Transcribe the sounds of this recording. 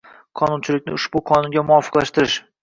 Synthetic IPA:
qʰɒnʊnt͡ʃʰɪlɪk̚ʲnɪʊʃbʊqʰɒnʊnɡʲamʊɒfɨ̥qlaʃt̪ɪɾɪʃ

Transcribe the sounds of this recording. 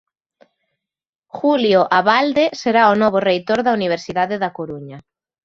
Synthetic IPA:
xuljoʔaβald̪eseɾaonɔβorejt̪oɾðauniβ̞eɾsiðaðeðakoɾuɲa

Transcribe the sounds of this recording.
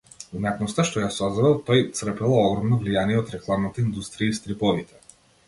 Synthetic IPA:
vunaknɔst̪aʃt̪ɔjasɔzd̪ad̪ɛlˠt̪ɔjt̪sr̩pɛlˠaɔɡɾɔmnɔvlijaniɛɔt̪ɾɛklˠamnat̪aind̪ust̪ɾijaist̪ɾipɔvit̪ɛ̥

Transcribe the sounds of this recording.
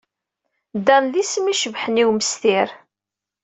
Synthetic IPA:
d̪ænðismiʃəvħəniwməst̪ɪɾ

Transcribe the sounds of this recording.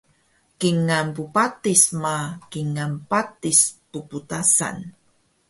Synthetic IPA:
kiŋanpupatismakiŋanpatispuputasa̰n

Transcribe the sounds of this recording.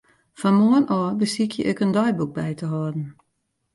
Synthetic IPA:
fɔnmoənʔɔːbəsikʰjəʔɪkəndɔjbuk̚bɛjtəɦɔdn̩

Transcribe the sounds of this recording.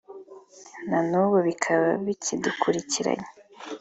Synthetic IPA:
nanuβoβikʰaβaβicʰidukʰuɾiciɾa̰ɲe

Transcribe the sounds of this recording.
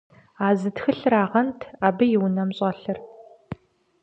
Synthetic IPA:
aːzɨtxɨɬraːʁɐntʰaːbɨjɪwnɐmɕʼɐɬɨr

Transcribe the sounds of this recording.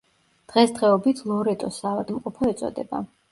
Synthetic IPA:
d̪̥ʁɛsd̪ʁɛɔbit̪ʰlˠɔɾɛt̪ʼɔsaːvad̪mqʼɔpʰɔɛt̪sʼɔ̰d̪ɛ̰ba̰

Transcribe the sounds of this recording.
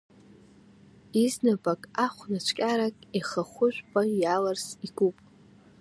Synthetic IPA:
iznabʼakʼaχʷnat͡ʃʷʰkʲʼaɾakʼiχaχʷʊʒʷᶣpʼajalarsiɡupʼ

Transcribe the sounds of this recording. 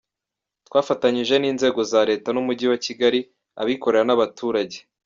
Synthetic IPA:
twaːfataɲiʒe̞niːnze̞ːɡo̞zaɾe̞ːtanumuɟiwaciɡaɾi | a̰βiko̞ɾe̞ɾanaβatʰuːɾaɟe̞̥

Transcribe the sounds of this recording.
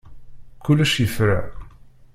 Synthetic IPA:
kːʊlːæʃjəfɾa

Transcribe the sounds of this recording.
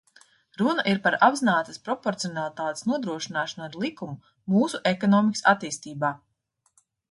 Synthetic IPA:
ɾunɐʔiɾpaɾabzinaːt̪ɐ̥spɾɔpɔɾt̪siɔnalˠit̪aːt̪e̥snuɔd̪ɾuɔʃinaːʃanaɾlˠikumu | muːsuʔekɔnɔːmikə̥sat̪iːst̪iːbaː

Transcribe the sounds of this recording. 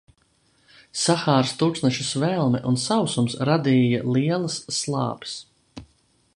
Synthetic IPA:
saxaːɾst̪uk̪snɛʃusvɛlˠmɛʔunsawsumsɾad̪iːjalˠiɛlˠasːlˠɑ̰ːb̥s

